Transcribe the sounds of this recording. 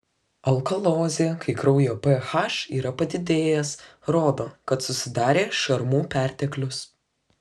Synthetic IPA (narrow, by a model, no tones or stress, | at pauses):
ɐlˠkɐlˠoːzʲeːkʰɐɪkɾɐʊjoːpɛxɐʃiːɾɐpɐd̪ʲɪd̪ʲeːjɛsɾoːd̪oːkɐt̪sʊsʲɪd̪ɑːɾʲeːʃɐɾmuːpʲæˑɾʲt̪ʲɛklʲʊs